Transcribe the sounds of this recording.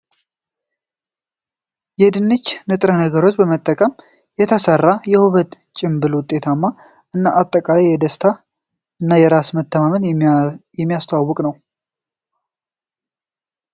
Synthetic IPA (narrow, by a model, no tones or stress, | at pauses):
jɛd̪ɨnːɨt͡ʃːnɨt̪ʼɾənəɡəɾo̞t͡ʃːbəmət̪ʼːəkʼəm | jɛt̪ʰəsərːajɛhuβət̪ | t͡ʃʼɪmbɨlwʊt̪ʼe̞t̪ʰamːa | ʔɨnːaʔat̪ʼːəkʼalajjɛd̪əst̪ʰa | ʔɨnːajɛɾasmət̪ʰːəmamənjɛmːijast̪ʰawawːɔkʼnəw